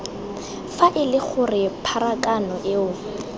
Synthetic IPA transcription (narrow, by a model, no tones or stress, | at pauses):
faʔɪlɪχʊrɪpʰaɾakʼanɔʔɪʊ